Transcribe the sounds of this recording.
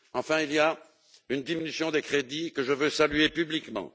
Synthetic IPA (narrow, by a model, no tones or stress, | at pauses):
ɑ̃fɛ̃ilija | ynd̪iminysjɔ̃d̪ekχed̪ikəʒəvøsalyepyblikmɑ̰̃